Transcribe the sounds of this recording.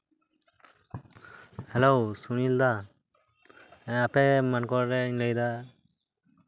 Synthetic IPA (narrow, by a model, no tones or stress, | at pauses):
hɛlɔwsunild̪a | apɛmankɔɾɾɛiɲləjd̪a